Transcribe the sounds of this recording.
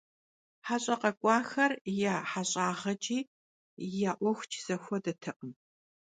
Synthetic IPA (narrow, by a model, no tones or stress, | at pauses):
ħaɕʼɐqɐkʷʼɑːxɐrjaːħaɕʼaːʁɐt͡ʃʼiː | jaːʔʷɔxʷt͡ʃʰz̥ɐxʷɔdɐtʰɨqʼəm